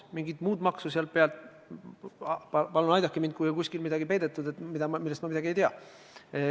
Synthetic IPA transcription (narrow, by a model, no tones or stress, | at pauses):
miŋɡit̪muːd̪mɑksuseɑl̚peɑlt̪ | pɑpɑlunɑjd̪ɑkːˑemind̪̚kujokusʲkilmid̪̥ɑɡipe̞jd̪̥e̞t̪ːˑud̪̥e̞t̪ːmid̪ɑmilːɛst̪mɑmid̪ɑɡie̞jt̪eɑ